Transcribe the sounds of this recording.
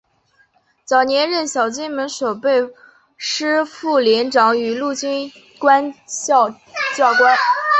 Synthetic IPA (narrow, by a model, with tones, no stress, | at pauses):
t͡sɑ˨˩ʊnjɛ˧˥nɻə˥˩nɕjɑ˨˩ʊt͡ɕi˥nmə˧˥nʂo˨˩ʊpe˥˧ɪ | ʂɻ̩˥fu˥˩ljɛ˧˥nʈ͡ʂɑ˧˥ŋy˨˧˥lu˥˩t͡ɕi˥n | kwa˥n˥˧ | t͡ɕjɑ˥˩ʊkwa˥n